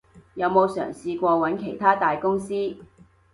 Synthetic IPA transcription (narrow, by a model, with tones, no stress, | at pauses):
jɐ˨˧wmo˨˧wsœ̰ː˨˩ŋsiː˧kʷɔː˧wɐ˨˥nkʰe˨˩jt̪ʰaː˥t̪aː˨jkʊ˥ŋsiː˥